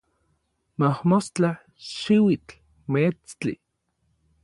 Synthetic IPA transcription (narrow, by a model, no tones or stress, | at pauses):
mahmost͡ɬa | ʃiwit͡ɬ | met͡st͡ɬḭ